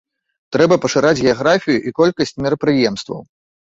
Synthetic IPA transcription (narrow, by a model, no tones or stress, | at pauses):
t̪ɾɛbɐpɐʂɨɾad͡zʲɣʲɛaɣɾafʲijuʔikɔlʲkɐsʲt͡sʲmʲɛɾɐpɾɨjɛmst̪vɐ̰w